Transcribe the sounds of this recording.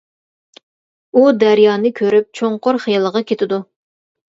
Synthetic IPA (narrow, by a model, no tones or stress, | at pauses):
ud̪æɾjɑːnɨkʲʰøɾyp̚t͡ʃʰoŋqoɾχejɑlˠəʁɑkʲʰet̪ʰɪd̪u